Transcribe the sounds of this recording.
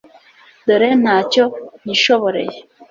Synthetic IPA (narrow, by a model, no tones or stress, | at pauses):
doɾenaːcon̥iʃoβoɾḛje